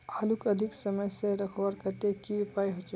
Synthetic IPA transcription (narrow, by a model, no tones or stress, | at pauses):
alukəd̪ʱiksəməjseɾəkʰwəɾkət̪ekipajɦot͡ʃ